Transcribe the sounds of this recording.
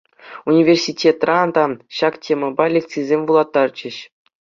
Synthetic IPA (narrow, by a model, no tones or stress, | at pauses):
unʲivʲersʲitʲʰet̪rɑd̪ɑɕɑktʲʰemʲɘ̆bɑlʲek̚t͡sɨzʲemʲvulˠɑt̪ːɑrt͡ɕɘ̆ɕ